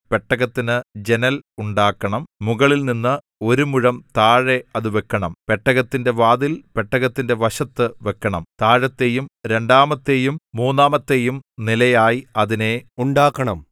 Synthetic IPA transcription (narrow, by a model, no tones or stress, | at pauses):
pe̞ʈːɐɣɐt̪ːinɨd͡ʑe̞nɐluɳɖaːkːɐɳɐmmuɣɐɭilninːɨ | o̞ɾumuɻɐmt̪aːɻe̞ɐðuʋekːɐɳɐmpe̞ʈːɐɣɐt̪ːinde̞ʋaːðilpe̞ʈːɐɣɐt̪ːinde̞ʋɐɕɐt̪ːɨʋe̞kːɐɳɐmt̪aːɻɐt̪ːe̞jumɾe̞ɳɖaːmɐt̪ːe̞jumːuːnːaːmɐt̪ːe̞jumnilɐjaːjiɐðine̞uɳɖaːkːɐɳɐm